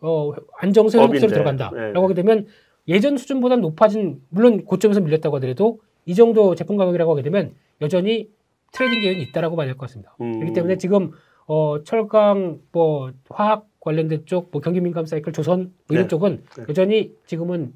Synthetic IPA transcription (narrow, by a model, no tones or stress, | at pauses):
ʌand͡ʑʌŋs̬ʰoheboks͈ʌɾɯtɯɾʌɡanda̰ɾaɡoɦaɡedwe̞mjʌn | je̞d͡ʑʌnsʰud͡ʑunbodanopʰad͡ʑinmuɭːonkot͡ɕ͈ʌmesʰʌmiʎːʌt͈̚aɡoadɯɾedo | id͡ʑʌŋdot͡ɕe̞pʰuŋɡaɡjʌɡiɾɦaɡoaɡidwe̞mjʌn | jʌd͡ʑʌɲi | tʰɯɾe̞diŋdeɯnit̚t͈aɾaɡomanaɭkʌk͈as͈ɯmɲid̥akɾʌkʰit͈emunet͡ɕiɡɯm | ʌt͡ɕʰʌɭɡaŋmʌɸwaak̚k͈waʎːʌndɯt͡ɕ͈ok̚mwʌkjʌŋɡiminɡams͈aikʰɯɭt͡ɕosʰʌn | ɯdɯt͡ɕ͈oɡɯnjʌd͡ʑʌɲit͡ɕiɡɯmɯn